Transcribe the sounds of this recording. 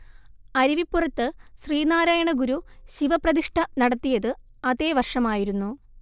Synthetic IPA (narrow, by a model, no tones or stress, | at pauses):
ɐɾiʋipːurɐt̪ːɨɕriːnaːɾaːjɐɳɐɡuɾuɕiʋɐprɐðiʂʈʰɐnɐɽɐt̪ːijɐðɨ | ɐðe̞ːʋɐrʂɐmaːjiɾunːu